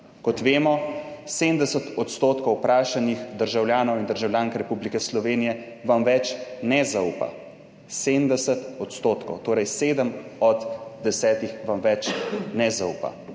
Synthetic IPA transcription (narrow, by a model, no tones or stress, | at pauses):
kɔt̪ʋeːmɔseːmd̪ɛsət̪ɔt̪st̪oːt̪kɔwpɾaːʃanixd̪əɾʒawljaːnɔwind̪əɾʒawlʲjaːŋkɾɛpublikɛslɔʋeːnijɛ | ʋamʋɛt͡ʃnɛzauːpa̰ | seːdnd̪ɛsət̪ɔt̪st̪oːt̪kɔ̰wt̪oːɾɛjseːd̪əmɔd̪d̪ɛsɛːt̪ixʋamʋɛt͡ʃnɛzaṵːpa̰